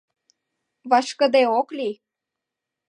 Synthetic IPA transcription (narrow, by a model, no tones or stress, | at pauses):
βɑʃkə̆d̪eokli